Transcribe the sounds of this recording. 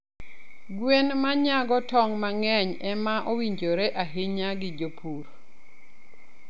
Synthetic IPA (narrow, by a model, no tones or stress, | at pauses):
ɡwenmaɲaɡɔtɔŋmaŋɛɲɛmaʔowiɲd͡ʒoɾeʔaɦeɲaɡɪd͡ʒopʰuɾ